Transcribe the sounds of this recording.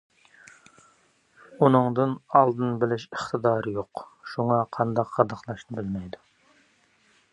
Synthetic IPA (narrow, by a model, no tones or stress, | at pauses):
unɨŋd̪ɨnɑlˠd̪ɨnbɪlɪʃəχt̪ʰɨd̪ɑːɾjoqʃuŋɑqʰɑnd̪ɑqʰːɑd̪ɑqlˠɑʃnɨbɪlmɛjd̪u̥